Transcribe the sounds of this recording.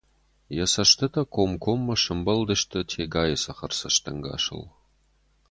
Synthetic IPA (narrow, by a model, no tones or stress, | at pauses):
jɐsɐʃt̪ʰɨt̪ʰɐkʷʰomkʷʰomːɐʂɨmbɐld̪ɨʃt̪ʰɨtʰeɡaːjɐsɐχɐrsɐʃt̪ʰɐŋɡa̰ːʂɨ̰l